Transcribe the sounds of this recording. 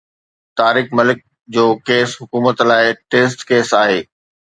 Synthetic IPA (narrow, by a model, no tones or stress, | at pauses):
t̪aːɾiːxmɐlɪk̚ | d͡ʑoːkeːsɦʊkuːmət̪laːɪʈeːs̬ʈkeːsaːɦeː